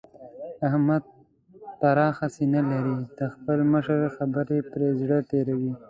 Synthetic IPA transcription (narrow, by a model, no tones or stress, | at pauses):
ahmad̪̚ | paɾɑxasenalaɾid̪̥əxpəlməʃəɾxabəɾepɾezɽət̪eɾawi